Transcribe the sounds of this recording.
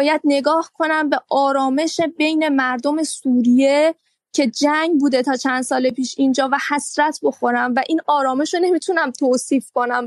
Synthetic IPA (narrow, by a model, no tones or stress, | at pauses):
jæd̪̚ne̞ɡɒːhkʰo̞næmbe̞ʔɒːɾɒːme̞ʃe̞be̞jne̞mæɾd̪o̞me̞suːɾije̞ | cʰe̞d͡ʒæŋɡbuːd̪e̞t̪ʰɒːt͡ʃʰænd̪sɒːle̞piːʃind͡ʒɒːvæhæsɾæt̪ʰbo̞xo̞ɾæmvæʔiːnɒːɾɒːme̞ʃone̞mit̪ʰunæmt̪ʰoːsiːfko̞næm